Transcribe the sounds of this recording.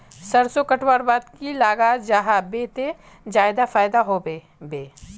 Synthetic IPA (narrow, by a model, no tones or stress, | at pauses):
sɐɾsokəʈʰwaːɾbaːd̪kilaːɡad͡ʒaɦabeːt̪e | d͡ʒaːɪd̪afaːɪd̪aɦobe | beː